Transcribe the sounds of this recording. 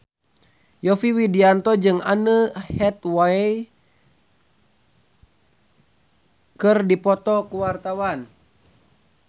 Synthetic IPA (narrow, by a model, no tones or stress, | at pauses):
jɔfiwidiant̪ɔd͡ʒɨŋa̰nəhɛt̪waɛ | kɨrdipɔt̪ɔkuwart̪awan